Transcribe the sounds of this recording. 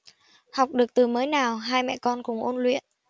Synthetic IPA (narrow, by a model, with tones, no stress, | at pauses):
ha˨˩wk͡p̚ɗɨ˨˩ək̚t̪ɨ˨˩məː˨˦jnaː˨˩wɦaː˧jmɛ̰˧˨kɔ˧nkʊ̰˧˩ŋ͡mʔo˧nlwḭ˧˨ənʔ